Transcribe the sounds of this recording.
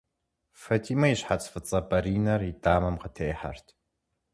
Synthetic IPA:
fɐtʰiːmɐjiɕħat͡sʼfɨt͡sʼɐbɐɾiːnɐridʼaːmɐmqətʰejħa̰rtʰ

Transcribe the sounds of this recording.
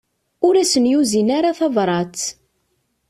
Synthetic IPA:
ʊɾæsənjuzinaɾaθɑvɾˤɑt͡s

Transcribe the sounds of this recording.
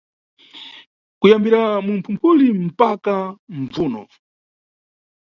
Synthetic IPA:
kujambiɾamum̩pʰumpʰulim̩pakaɱ̩vuːnɔ̰

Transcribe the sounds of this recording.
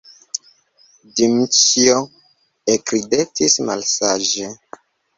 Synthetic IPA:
dimt͡ʃio | ekɾidetisma̰lsaʒe

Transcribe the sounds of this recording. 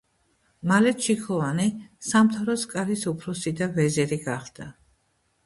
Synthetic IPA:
malɛt̪t͡ʃʰikʰɔvanisamt̪ʰaɾɔskʼaɾisupʰɾɔsid̪avɛzɛɾiɡaχd̪̥a

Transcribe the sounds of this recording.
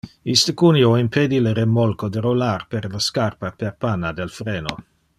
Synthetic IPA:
ist̪əkunioimpʰed̪iləɾemɔlkod̪əɾolarperlaskarpaperpanːad̪elfɾeːno̰

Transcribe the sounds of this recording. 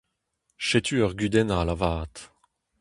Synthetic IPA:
ʃɛt̪ʰyœʁɡyd̪ɛnaːlavaːt̪

